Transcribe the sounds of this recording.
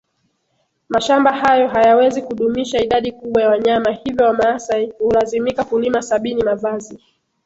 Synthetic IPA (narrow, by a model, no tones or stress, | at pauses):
maʃambahajɔɦajawɛzikuɗumiʃaiɗaɗikuɓwajawaɲamahivjɔwamaasaihulazimikakulimasaɓinimavazi